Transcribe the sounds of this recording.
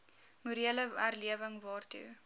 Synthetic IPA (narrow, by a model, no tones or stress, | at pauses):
muɾiələærliəvəŋvɑːrtṵ